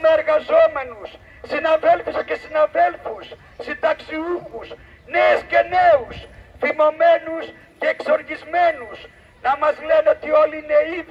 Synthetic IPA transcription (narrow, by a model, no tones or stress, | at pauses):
meeɾɣazomenusː | inavelfuscesinavelfusː | it̪aksiuxus | nesceneusfimomenus | ceekso̞ɾʝizmenus | nɐmɐzlenet̪iolinei